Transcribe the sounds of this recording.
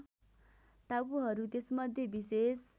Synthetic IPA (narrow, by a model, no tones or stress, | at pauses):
ʈ̪abuɦʌɾut̪esmʌd̪ʱjebises